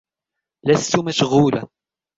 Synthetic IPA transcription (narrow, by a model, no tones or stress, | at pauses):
læsːumaʃɣuːla